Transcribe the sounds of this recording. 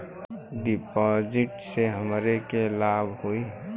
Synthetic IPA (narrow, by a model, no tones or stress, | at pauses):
ɖipɔd͡ʒɪʈseɦəmɾekelabʱɦui